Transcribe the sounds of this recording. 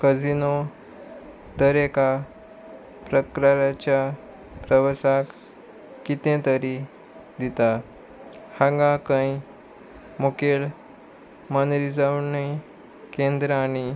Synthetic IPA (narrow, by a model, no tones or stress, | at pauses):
kəd͡zino | d̪əɾeka | pɾəkɾaɾat͡ɕja | pɾəʋəsak | kit̪ẽt̪əɾi | d̪it̪a | hãŋɡãkə̃i | mokeɭ | mənɾid͡zaunaj | kẽnd̪ɾəaɽ̃i